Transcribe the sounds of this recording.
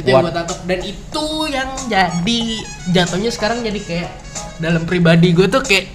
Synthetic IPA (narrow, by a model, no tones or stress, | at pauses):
ɡuat̪at̪odanit̪ujaŋd͡ʒadi | d͡ʒat̪ohɲasə̥kaɾaŋd͡ʒadikajaʔ | dalampɾibadiɡuat̪ukajaʔ